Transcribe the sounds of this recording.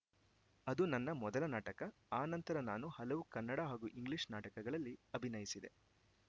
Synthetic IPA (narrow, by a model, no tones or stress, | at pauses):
ɐd̪unɐnːɐmɔd̪ɐlɐnaːʈɐkɐaːnɐnt̪ɐɾɐnaːnuhɐlɐʋukɐnːɐɽaɦaːɡuʔiŋɡliʂnaːʈɐkɐɡɐɭɐlːiɐbʱinɐjisid̪e̞̰